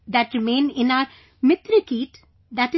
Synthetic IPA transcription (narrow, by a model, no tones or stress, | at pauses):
d̪æʈɾɪmẽːnɪ̃naəɾ | mɪt̪ɾikiːʈ | d̪æʈɪ